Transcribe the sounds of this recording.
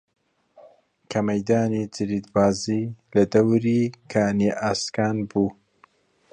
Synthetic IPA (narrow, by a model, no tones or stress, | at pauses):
kʰɐmɐjd̪aːnit͡sɨɾiːd̪baːziːlɐd̪ɐwɾiːkʰaːniʔaːskaːnbuː